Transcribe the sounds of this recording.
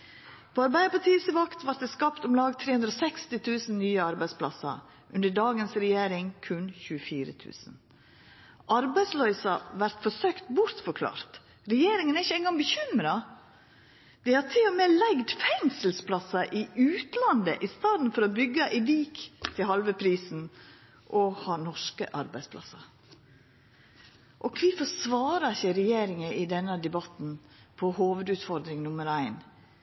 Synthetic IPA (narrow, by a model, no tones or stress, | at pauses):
pʰoɔɑɾbæɪd̪əpɔt̪ʰiːsəʋɑkt̪ʋɑɾt̪̚d̪ɛskɑːpt̪ɔmlɑːɡt̪ʰɾeːhʉnd̪ɾoɔsɛkst̪ɪt̪ʰʉːsənnyːəɑɾbæɪspʰlɑ̰sɑ̰ | ʔʉnd̪əɖɑːɡənsɾɛjeːɾɪŋkʰʉnçʉːəfiːɾət̪ʰʉ̰ːsn | ʔɑɾbæɪd̪slœʏsɑʋæɾt̪fɔsøːkt̪bʊɾt̪fɔɾkʰlɑ̰ːɾt̪ | ɾɛjeːɾɪŋənæɾɪçːəɛŋɡɑŋbəçʏmɾɑ | d̪̥ɛhɑɾt̪ʰɪlɔmeːlæɡd̪fɛŋsəlspʰlɑsɑʔɪʉːt̪lɑnd̪əʔɪst̪ɑːd̪n̩fɔɾɔbʏɡːɑʔɪʋiːkt̪ʰɪlɦɑlʋəpʰɾiːsn̩ | ʔɔhɑːnɔʂkə̰ʔɑɾbæɪspʰlʔɑ̰sɑ | ʔɔkʰʋiːfɔsʋɑːɾɑɪçəɾɛjeːɾɪŋəʔɪd̪ɛnːəd̪ɛbɑt̪n̩pʰɔhoːʋəd̪ʉːt̪fɔɾd̪ɾɪŋnʊməɾæɪn